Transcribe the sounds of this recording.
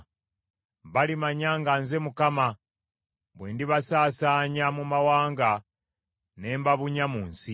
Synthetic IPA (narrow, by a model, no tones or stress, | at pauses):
βalimaɲaŋɡanze̞mukama | βweːndiβasaːsaːɲamumawaːŋɡa | ne̞ːmbaβuɲamuːnsi